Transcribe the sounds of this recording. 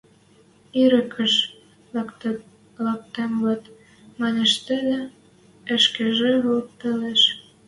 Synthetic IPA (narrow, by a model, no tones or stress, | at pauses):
iɾə̆kʰə̆ʃ | lɑk̚t̪emβɤ̆t̪ | mɑnʲeʃt̪ĕlĕ | ə̆ʃkeʒeβolp̚t̪eleʃ